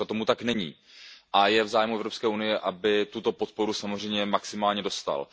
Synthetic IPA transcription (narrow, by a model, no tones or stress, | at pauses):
at̪o̞mut̪aknɛɲḭː | ʔajɛvzaːjmuɛvɾo̞pskɛːʔunɪjɛʔabɪt̪ut̪o̞pot̪̚po̞ɾusamozr̝ɛjmɲɛmaksɪmaːlɲɛdo̞st̪a̰l